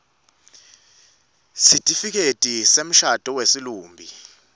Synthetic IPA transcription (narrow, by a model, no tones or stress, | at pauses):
sitʼifik̬ʼetʼisem̩ʃad̥ʼʱɔwesiluːmbʱi